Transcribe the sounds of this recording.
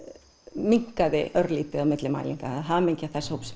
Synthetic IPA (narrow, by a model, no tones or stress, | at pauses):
miŋ̥kaðɪʔœɾliːt̪ɪawmɪt̪lɪma̰jlḭŋkaaɦamejɲcaθɛshowps